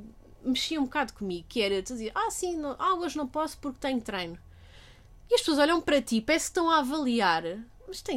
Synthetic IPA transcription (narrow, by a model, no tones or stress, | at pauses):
mɨʃiɐũbukaðukumiɣukɛɾet̪uiziʔasĩnɐ̃w̃ʔalˠɣɐʒnɐ̃w̃pɔsu̥puɾk̚t̪ɐ̃ɲt̪ɾɐjnu | iɐʃpsoɐzɔʎɐ̃w̃pɐɾɐt̪ipɛskt̪ɐ̃w̃avɐlˠiaɾ | mɐʃt̪ɛ̃